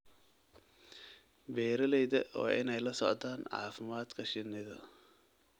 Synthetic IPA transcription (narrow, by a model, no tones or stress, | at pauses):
bɛːɾɐlɛjðɐʔɔ̰ːʔɪ̰nɛjlɐsɔʕt̪aːnʕɑ̰ːfɪmaːd̪kʰɐʃɪnːɪðɐ